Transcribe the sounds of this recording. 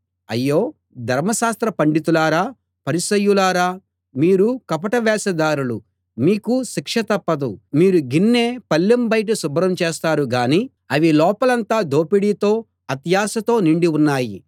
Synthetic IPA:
ɐ̰jːoː | d̪ʱɐɾmɐʃaːst̪ɾɐpɐɳɖit̪ulaːɾaː | pɐɾisɐjːulaːɾaː | miːɾukɐpɐʈɐʋɛːsɐd̪aːɾulu | miːkuʃikʂɐt̪ɐpːɐd̪umiːɾuɡinːe̞ːpɐlːɐmbɐjʈ̬usubɾɐmt͡ʃeːst̪aːɾuɡaːniː | ɐʋilɔːpɐlɐnt̪aːd̪o̞ːpiɽiːt̪o̞ː | ɐt̪jaːsɐt̪o̞ːniɳɖiunːaːji

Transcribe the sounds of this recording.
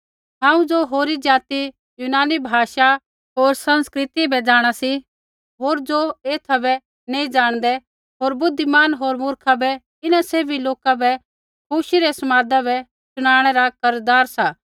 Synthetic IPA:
ɦãːũd͡ʒoɦoːɾid͡ʒaːt̪i | junaːnibʱaːʃa | ɦoːɾsɐ̃nskɾɪt̪ibɛd͡ʒaːɽ̃asi | ɦoːɾd͡zoeːt̪ʰabɛ | neːĩd͡ʒaːɽ̃d̪ɛ | ɦoːɾbʊd̪ʱːimaːnɦoːɾmʊɾkʰabɛ | ɪnaseːbʱiloːkabɛ | kuːʃiɾɛsɐmaːd̪abɛ | sʊɽ̃aːɽ̃ɛɾakɐɾd̪aːɾsaː

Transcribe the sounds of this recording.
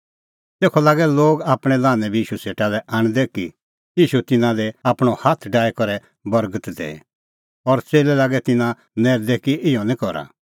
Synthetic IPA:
t̪eːkʰɔlaːɡɛloːɡaːpɽ̃ɛlaːnɛ̃bʱiiːʃuseːʈalɛʔaːɽ̃d̪ɛki | iːʃut̪ɪnãlɛaːpɽ̃ɔhat̪ʰɖaːɛkɔɾɛ | bɔɾɡət̪d̪ḛː | ɔɾt͡seːlɛlaːɡɛt̪ɪnã | nɛːɾd̪ɛkiɪjɔ̃nĩkɔɾa̰

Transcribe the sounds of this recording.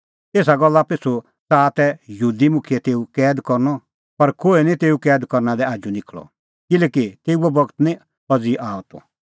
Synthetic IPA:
eːsaɡɔlːapesu | t͡saːt̪ɛjɦuːd̪imʊkʰijɛt̪eːukɛːd̪kɔɾnɔ | pɐɾkoːenĩt̪eːukɛːd̪kɔɾnad̪ɛaːd͡ʒunɪkʰlɔ̰ | kɪlɛːkit̪eːuɛbɔɡt̪nĩ | ɔd͡ziʔaːɔt̪ɔ̰

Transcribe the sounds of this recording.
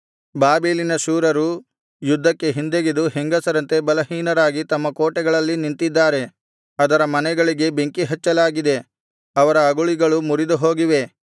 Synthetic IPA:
baːbeːlinɐʃuːɾɐɾu | jud̪ʱːɐkːe̞ɦind̪eɡid̪uɦeŋɡɐsɐɾɐnt̪e̞bɐlɐɦiːnɐɾaːɡit̪ɐmːɐkoːʈɛɡɐɭɐlːinint̪id̪ːaːɾe̞ | ɐd̪ɐɾɐmɐnɛɡɐɭiɡe̞be̞ŋkiɦɐt͡ʃːɐlaːɡid̪e̞ | ɐʋɐɾɐːɡuɭiɡɐɭumuɾid̪uɦo̞ːɡiʋe̞

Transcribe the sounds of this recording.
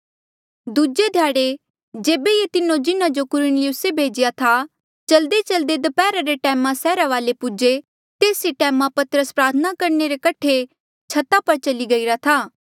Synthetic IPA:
d̪ud͡ʒed̪ʱjaːɽe | d͡ʒeːbejet̪ɪnõd͡ʒɪnãd͡ʒokʊɾʊnlɪjʊsebʱeːd͡ʒɪjat̪ʰa | t͡ʃɐld̪et͡ʃɐld̪ed̪ɐpɛːɾaɾeʈɛːmãsɛːɾaʋaːlepʊd͡ʒe | t̪eːsiʈɛːmãpɐt̪ɾəspɾaːt̪ʰənakɐɾneɾekɐʈʰe | t͡ʃʰɐt̪apɐɾt͡ʃɐliɡɐiɾat̪ʰaː

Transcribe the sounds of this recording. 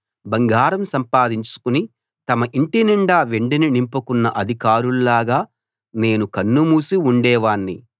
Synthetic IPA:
bɐŋɡaːɾɐmsɐmpaːd̪iɲt͡ʃu̥kuni | t̪ɐmɐʔiɳʈiniɳɖaːʋeɳɖininimpukunːɐʔɐd̪ʱikaːɾululaːɡaː | ne̞ːnukɐnːumuːsiuɳɖɛːʋaːɳːi

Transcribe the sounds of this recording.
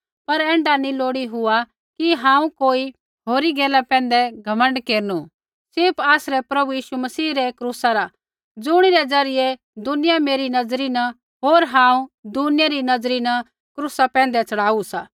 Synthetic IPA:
pɐɾɛ̃ːɳɖanĩloːɽiɦʊa | kiɦãːũkoːi | ɦoːɾiɡɛːlapɛ̃ːnd̪ɛɡʱɐmə̃ɳɖkeːɾnu | sɪɾpaːsɾɛpɾɐbujiːʃumɐsiːɾɛkɾusaɾa | d͡zʊɽ̃iɾɛd͡zɐɾɪjɛ | d̪ʊnɪjameːɾinɐd͡zɾinɐ | ɦoːɾɦãːũd̪ʊnɪjaɾinɐzd͡zɾinɐ | kɾuːsapɛ̃ːn̆d̪ɛt͡sɐɽaːusaː

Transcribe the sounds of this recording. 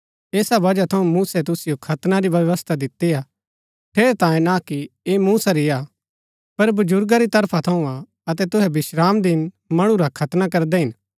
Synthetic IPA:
eːsabɐd͡ʒat̪ʰɐũmuːsɛt̪̬ʊsɪjokʰɐt̪naɾiʋjɐʋəst̪ʰad̪ɪt̪ːija | ʈ̪ʰeːɾɛt̪ãːjẽnakiemuːsaɾia | pɐɾbɐd͡ʒʊɾɡaɾit̪ɐɾpʰat̪ʰɐũa | ɐt̪ɛt̪ʊɦɛbɪʃɾaːmd̪ɪn | mɐɽ̃ũɾakʰɐt̪nakɐɾd̪ɛɦɪn

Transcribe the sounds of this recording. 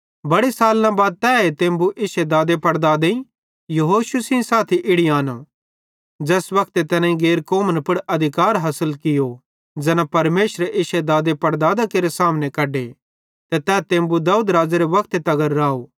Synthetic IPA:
bɐɽisaːlːãbaːd̪̚t̪ɛːet̪ẽːmbuʔɪʃed̪aːd̪epɐɽd̪aːd̪ei | jɐɦoːʃusĩsaːt̪ʰiʔɪɽiaːno | d͡ʒɛːsʋɐkʰt̪et̪ɛnãĩɡeːɾkoːmənpʊɽʔɐd̪ʱɪkaːɾɦɐsəlkɪjo | d͡ʒɛnãpɐɾmeːʃɾeʔɪʃed̪aːd̪epɐɽd̪aːd̪akeːɾesaːmnẽkɐɖe | t̪et̪ɛːt̪ẽːmbud̪ɐuːd̪ɾaːd͡ʒeɾeʋɐk̚ʰt̪et̪ɐɡəɾːaːoː

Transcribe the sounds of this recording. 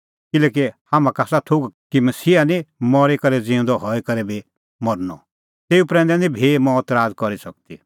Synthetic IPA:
kɪlɛːk̬ihamãkasat̪ʰʊɡkimɐsiːanĩmɔɾikɐɾɛd͡zĩũnd̪ɔɦɔikɐɾɛbʱi | mɔɾnɔ̰ | t̪eːupɾɛ̃nd̪ɛnĩbʱimɔːt̪ɾaːd͡zkɔɾisɐk̚t̪i

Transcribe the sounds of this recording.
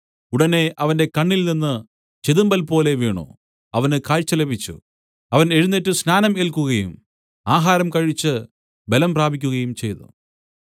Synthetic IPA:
uɽɐne̞ʔɐʋɐnde̞kɐɳːilninːɨ | t͡ɕeðumbɐlpo̞ːle̞ʋiːɳo̰ː | ɐʋɐnɨkaːɻt͡ɕːɐle̞bʱit͡ɕːṵ | ɐʋɐne̞ɻunːetːusnaːnɐmelkuɣɐjum | aːɦaːɾɐmkɐɻit͡ɕːɨ | be̞lɐmpraːbʱikʲːuɣɐjumt͡ɕe̞jnṵ

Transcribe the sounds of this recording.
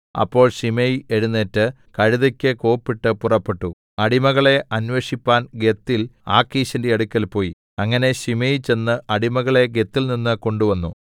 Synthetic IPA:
ɐ̰pːo̞ːɭɕimejeɻunːeːtːɨ | kɐɻuðɐkʲːɨko̞ːpːiʈːɨpurɐpːe̞ʈːu | ɐɽimɐɣɐɭe̞ʔɐnʋeʂipːaːnɡe̞t̪ːila̰ːkːiːɕɐndeeɽukʲːɐlpo̞ːji | ɐŋːɐne̞ɕimejt͡ɕe̞nːɨɐɽimɐɣɐɭe̞ɡe̞t̪ːilninːɨko̞ɳɖuʋɐnːu

